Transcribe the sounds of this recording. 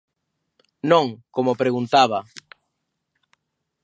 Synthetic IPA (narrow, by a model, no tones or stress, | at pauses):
nõŋkomopɾeɣunt̪aβa